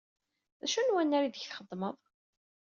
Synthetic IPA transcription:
ðæʃunwænːaɾiðəçθχəðˤːməðˤ

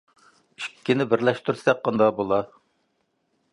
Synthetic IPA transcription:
ykʲːɪnɪbɪɾlɛʃt̪yɾsɛk̚qːɑnd̪ɑbolˠɑ

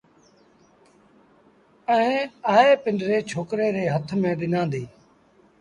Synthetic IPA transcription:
əẽːaːeːpɪnɖɾeːt͡ʃʰoːkɾeːɾeːɦət̪ʰmẽːɗɪnãːnd̪iː

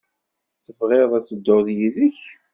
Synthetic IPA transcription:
θəvʁeðˤæsəd̪ːoðjiləç

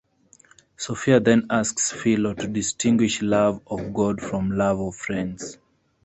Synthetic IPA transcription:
sofiaðɛ̃nasksfilotʰudɪstʰĩŋɡwɪʃlavɔvɡɔdfɹɔ̃mlavɔv̥fɹɛ̃ndz̥

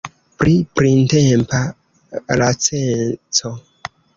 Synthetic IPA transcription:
pɾipɾintempʰa | lat͡sent͡so

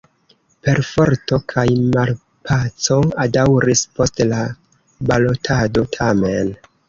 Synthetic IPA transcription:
pe̞ɾfo̞ɾto̞kʰajmal | pʰat͡so̞adawɾispo̞stla | balo̞tʰado̞tʰamen

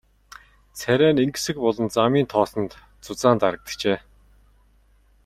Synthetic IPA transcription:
t͡sʰæɾʲæːniŋɡ̆sɘ̆kpɔɮɞ̆nt͡samiːnt̪ʰɔːsɞ̆nt̪ | t͡sʊt͡saːnt̪aɾə̆k̚t̪ə̥̆t͡ɕeː

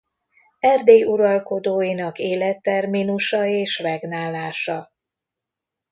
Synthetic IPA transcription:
ɛrd̪eːjuɾɒlko̞d̪oːjinɒkeːlɛt̪ːɛrminuʃɒeːʃvɛɡnaːlːaːʃɒ

